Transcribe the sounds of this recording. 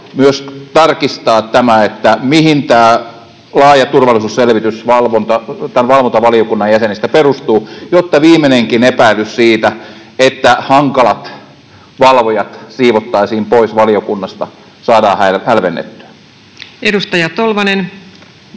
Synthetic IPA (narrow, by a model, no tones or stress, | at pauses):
myøst̪ɑrkist̪ɑːt̪æmæet̪ːæmihint̪æː | lɑːjɑt̪urʋɑlˑisuːsselʋit̪ysʋɑlʋont̪ɑt̪ænʋɑlʋont̪ɑʋɑlijokunːɑjæsenist̪æperust̪uːjot̪ːɑʋiːmˑeneŋkinepæilyssiːt̪æ | et̪ːæhɑŋkɑlɑt̪ | ʋɑlʋojɑt̪siːʋot̪ːɑisiːmpoisʋɑliokunːɑst̪ɑ | sɑːdɑːhælhælʋenːḛt̪ːy̥æ̥ | edust̪ɑjɑt̪olʋɑnen